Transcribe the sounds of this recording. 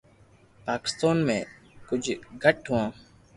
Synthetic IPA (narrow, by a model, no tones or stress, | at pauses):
paːkɪ̥st̪aːnmẽː | kʊd͡ʒʱɡʱəʈɦʊʋãː